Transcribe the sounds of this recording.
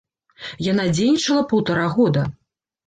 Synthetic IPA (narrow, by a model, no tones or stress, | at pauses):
jan̪ad͡zʲejnʲit͡ʂɐlˠɐpɐwt̪aɾaɣɔd̪ɐ